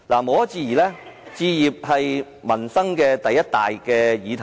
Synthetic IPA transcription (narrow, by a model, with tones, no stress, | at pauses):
laː˨˩mo˨˧wɐ˥t͡siː˧jiː˨˩lɛː˥t͡siː˧jiː˨p̚hɐ˨j | mɐ˨˩nsɐ˥ŋkɛː˧t̪ɐ˨jːɐ˥t̚t̪a̰ː˨jkɛː˧jiː˨˧t̪ʰ